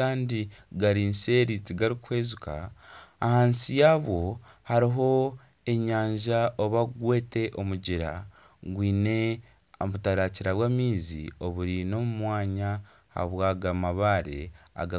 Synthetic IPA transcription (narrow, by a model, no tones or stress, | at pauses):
aːndiɡaɾinse̞ːɾitiɡaɾikwe̞ːzuka̰ːhaːnsijaːβo̞ | haɾiɦo̞ | e̞ɲaːɲʒaʔoβaɡwe̞ːte̞ʔomuɟiɾa̰ | ɡwiːne̞ | βutaɾaciɾaβwaːmiːzḭo̞βuɾino̞mumwaːɲa | ha̰βwaːɡamaβaɾḛa̰ɡa